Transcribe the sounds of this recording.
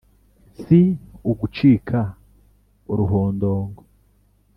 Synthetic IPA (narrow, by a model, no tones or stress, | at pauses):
sioɡut͡ʃiːkʰa | oɾuɦoːndoːŋɡo